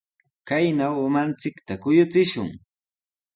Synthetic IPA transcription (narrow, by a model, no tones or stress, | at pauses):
kajnawʊmant͡sɪkt̪akʊjʊt͡sɪʃʊ̰ŋ